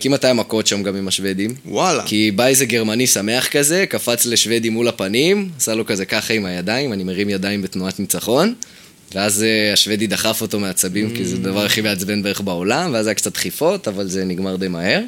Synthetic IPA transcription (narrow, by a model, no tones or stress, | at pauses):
kimatajamako̞t̪ʃamɡamimaʃve̞d̪imwala̰kibajzeɡeʁmanisame̞aχkaze̞kafat͡sle̞ʃve̞d̪imulapanimasalo̞kaze̞kaχaimajad̪aimanimeʁimjadaimbe̞tnuat̪nit͡saχo̞n | veazeaʃve̞did̪aχafo̞to̞meat͡sabimkized̪avaʁaχimeat͡sbe̞nbeeχbao̞lamveazajakt͡sat̪χifo̞tavalze̞niɡmaʁd̪ejmahe̞ʁ